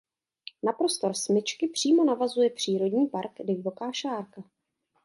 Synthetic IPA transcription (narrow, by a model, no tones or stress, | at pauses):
napɾo̞st̪o̞ɾsmɪt͡ʃkɪpr̝̥iːmo̞navazujɛpr̝̥iːɾo̞dɲiːpaɾkdɪjvo̞kaːʃaːɾka